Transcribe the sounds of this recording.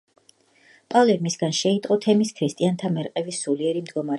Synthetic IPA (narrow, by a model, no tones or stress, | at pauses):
pʼalɛɾmisɡanʃɛit̪ʼqʼɔt̪ʰɛmiskʰɾist̪ʼiant̪ʰamɛɾqʼɛvisuliɛɾimd̪ɡɔmaɾ